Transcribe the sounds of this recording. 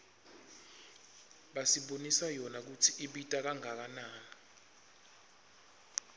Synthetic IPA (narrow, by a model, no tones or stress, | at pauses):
ɓasiɓonisajɔnak̬utʰiʔiɓitʼak̬aŋak̬anaːni